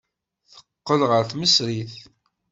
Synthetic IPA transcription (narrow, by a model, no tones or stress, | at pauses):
θə̥qːəlʁəɾθməsɾiθ